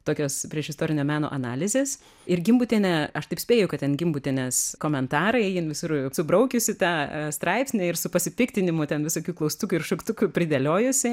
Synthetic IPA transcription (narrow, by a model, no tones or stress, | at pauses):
t̪oːkʲoːspʲɾʲiɛʃɪst̪oːɾʲɪnʲoːmʲæːno̰ːʔɐnɑːlʲɪzʲeːs | ɪrɡʲɪmbʊt̪ʲeːnʲɛɐʃt̪ɐɪpsʲpʲeːjʊkɐt̪tʲɛnɡʲɪmbʊt̪ʲeːnʲɛskoːmʲɛnt̪ɑːɾɐɪjɪnʋʲɪsʊrsʊbɾɐʊkʲʊsʲɪt̪ɑːst̪ɾɐɪpʲsʲnʲɛɪrsʊpɐsʲɪpʲɪkt̪ʲɪnʲɪmʊt̪ʲɛnʋʲɪsoːkʲuːklˠɐʊst̪uːkʲuːɪrʃʊkt̪ʊkʲupʲɾʲɪd̪elʲoːjʊsʲɪ